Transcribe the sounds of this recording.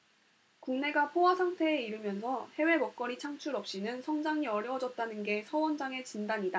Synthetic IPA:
kuŋne̞ɡapʰoɦasʰaŋtʰe̞ːiɾɯmjʌnsʰʌhe̞we̞mʌk̚k͈ʌɾit͡ɕʰaŋt͡ɕʰuɾʌp̚ɕ͈inɯnsʰʌŋd͡ʑaŋiʌɾjʌd͡ʑʌt̚t͈anɯnɡe̞sʰʌwʌnd͡ʑaŋe̞t͡ɕindaɲida

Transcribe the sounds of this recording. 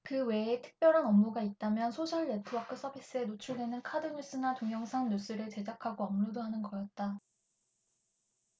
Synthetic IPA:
kɯwe̞ːtʰɯ̥k̚p͈jʌɾɦanʌmːuɡait̚t͈amjʌnsʰoɕʰʌɭːetʰɯbakʰɯs͈ʰʌbʱis͈ɯe̞not͡ɕʰuɭdwe̞nɯnkʰadɯɲus͈ɯnatoŋjʌŋsʰaŋɲus͈ɯɾɯɭt͡ɕe̞d͡ʑakʰaɡoʌmnudoɦanɯnɡʌjʌt̚t͈a

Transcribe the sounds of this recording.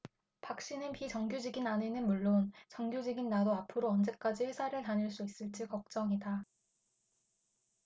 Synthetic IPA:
pak̚ɕ͈inɯnpit͡ɕʌŋɡjud͡ʑiɡinanenɯnmuɭːont͡ɕʌŋɡjud͡ʑiɡinːadoapʰɯɾoʌnd͡ʑe̞k͈ad͡ʑiɸwe̞sʰaɾɯɭtaɲɯɭs͈uis͈ɯɭt͡ɕ͈ikʌk̚t͡ɕ͈ʌŋida

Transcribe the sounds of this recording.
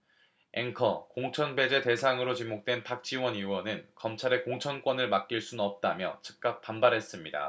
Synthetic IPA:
e̞ŋkʰʌkoŋt͡ɕʰʌnbe̞d͡ʑe̞te̞sʰaŋɯɾot͡ɕimok̚t͈wenpak̚t͡ɕ͈iwʌɲiwʌnɯnkʌmt͡ɕʰaɾe̞koŋt͡ɕʰʌnk͈wʌnɯɭmak̚k͈iɭs͈unnʌp̚t͈amjʌ̰t͡ɕʰɯ̥k̚k͈ap̚p͈ːanbaɾɦe̞s͈ɯmɲida̰

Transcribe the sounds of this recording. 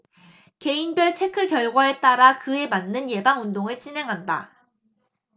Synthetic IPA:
ke̞inbjʌɭt͡ɕʰe̞kʰɯkjʌɭɡwae̞t͈aɾakɯe̞manːɯnje̞baŋundoŋɯɭt͡ɕ͈inɦe̞ŋɦanda̰

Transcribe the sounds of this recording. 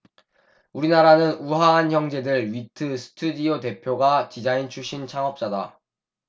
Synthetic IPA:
uɾinaɾanɯnuɦaɦançjʌŋd͡ʑe̞dɯɭɥitʰɯsʰɯ̥tʰudiote̞pʰjoɡat͡ɕid͡ʑaint͡ɕʰuɕ͈ʰint͡ɕʰaŋʌp̚t͡ɕ͈ada

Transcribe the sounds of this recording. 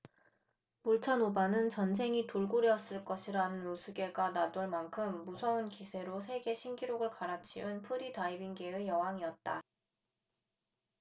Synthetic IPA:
muɭt͡ɕʰanobanɯnt͡ɕʌns̬ʰe̞ŋitoɭɡoɾjʌs͈ɯɭk͈ʌɕʰiɾanɯnosʰɯɡe̞ɡanadoɭmankʰɯmːusʰʌunkisʰe̞ɾos̬ʰe̞ɡe̞ɕʰimɡiɾoɡɯɭkaɾat͡ɕʰiunpʰuɾidaibiŋɡe̞ɯjʌɦaŋiʌt̚t͈a

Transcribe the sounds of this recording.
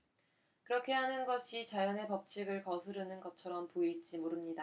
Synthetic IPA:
kɯɾʌkʰe̞ɦanɯnɡʌɕʰit͡ɕajʌne̞pʌp̚t͡ɕʰiɡɯɭkʌsʰɯɾɯnɯnɡʌt͡ɕʰʌɾʌmpoiɭt͡ɕ͈imoɾɯmɲida

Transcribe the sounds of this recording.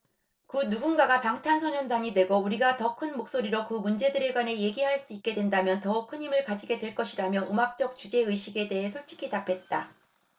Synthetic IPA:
kɯnuɡunɡaɡapaŋtʰansʰʌɲʌndaŋidwe̞ɡouɾiɡatʌkʰɯnmok̚s͈oɾiɾokɯmund͡ʑe̞dɯɾe̞ɡwane̞je̞ɡiɦaɭs͈uit̚k͈e̞dwe̞ndamjʌntʌuk̚kʰɯɲimɯɭkad͡ʑiɡe̞dwe̞ɭk͈ʌɕʰiɾamjʌʔɯmak̚t͡ɕ͈ʌk̚t͡ɕud͡ʑe̞ɯjɕʰiɡe̞de̞ɦe̞sʰoɭt͡ɕ͈ʰi̥kʰitapʰe̞t̚t͈a

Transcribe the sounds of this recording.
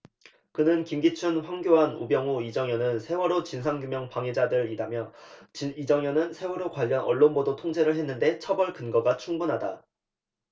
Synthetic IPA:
kɯnɯnkimɡit͡ɕʰunɸwaŋɡjoɦanubjʌŋuid͡ʑʌŋjʌnɯnsʰe̞wʌɾot͡ɕinsʰaŋɡjumjʌŋpaŋed͡ʑadɯɾidamjʌt͡ɕiid͡ʑʌŋjʌnɯnsʰe̞wʌɾokwaʎːʌnʌɭːonbodotʰoŋd͡ʑe̞ɾɯɭɦe̞nːɯnde̞t͡ɕʰʌbʌɭkɯnɡʌɡat͡ɕʰuŋbunɦada

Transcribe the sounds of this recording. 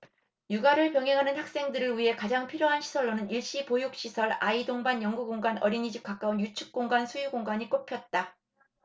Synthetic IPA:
juɡaɾɯɭpjʌŋɦe̞ŋɦanɯnhak̚s͈e̞ŋdɯɾɯɭɥiɦe̞kad͡ʑaŋpʰiɾjoɦanɕʰi̥sʰʌɭːonɯniɭɕ͈ipojuk̚ɕ͈isʰʌɭaidoŋbanjʌŋɡuɡoŋɡwanʌɾiɲid͡ʑip̚k͈ak͈aunjut͡ɕʰu̥k̚k͈oŋɡansʰujuɡoŋɡaɲik͈opʰjʌt̚t͈a

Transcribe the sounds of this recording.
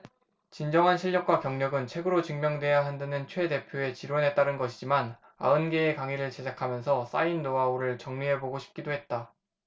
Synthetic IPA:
t͡ɕind͡ʑʌŋɦanɕʰiʎːʌk͈̚wakjʌŋɲʌɡɯnt͡ɕʰwe̞ɡɯɾot͡ɕɯŋmjʌŋdwe̞jaɦandanɯnt͡ɕʰwe̞de̞pʰjoe̞t͡ɕiɾwʌnɦe̞t͈aɾɯnɡʌɕʰid͡ʑiman | a̰ɯnɡe̞ːkaŋiɾɯɭt͡ɕe̞d͡ʑakʰamjʌnsʰʌs͈ainːoauɾɯɭt͡ɕʌŋɲiɦe̞boɡoɕʰi̥p̚k͈idoɦe̞t̚t͈a

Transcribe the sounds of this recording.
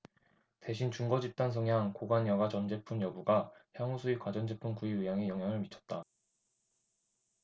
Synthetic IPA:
te̞ɕʰint͡ɕuŋɡʌd͡ʑip̚t͈ansʰɯŋjaŋkoɡanjʌɡat͡ɕʌnd͡ʑe̞pʰunjʌbuɡaçjaŋusʰuikwad͡ʑʌnd͡ʑepʰunkuiuɦjaŋe̞jʌŋɦjaŋɯɭmit͡ɕʰʌt̚t͈a

